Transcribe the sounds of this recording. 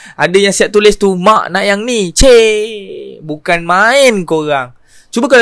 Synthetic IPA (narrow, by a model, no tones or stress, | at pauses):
adəjaŋsiaʔ̚t̪ulɪst̪umãʔnaʔjaŋnit͡ʃe | bukanmaɪnkoɾaŋ | t͡ʃubakal